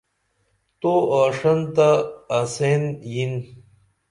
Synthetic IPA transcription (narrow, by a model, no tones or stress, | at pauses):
t̪oaːʂɐnt̪aːsenjin